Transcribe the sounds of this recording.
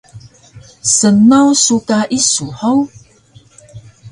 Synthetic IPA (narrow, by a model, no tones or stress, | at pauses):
sənawsukaʔisuħaw